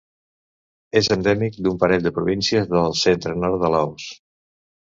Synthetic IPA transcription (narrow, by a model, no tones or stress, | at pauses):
ezənd̪ɛmik̚d̪umpəɾɛt̪̚d̪əpɾuβinsiəzðəlˠsent̪ɾənɔɾt̪d̪əlaws